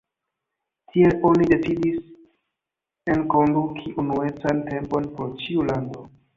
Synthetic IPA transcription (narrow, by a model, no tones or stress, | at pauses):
tʰie̞lo̞nide̞t͡sidis | e̞nko̞ndukʰiʔunue̞t͡sante̞mpo̞npɾot͡ʃiulando̞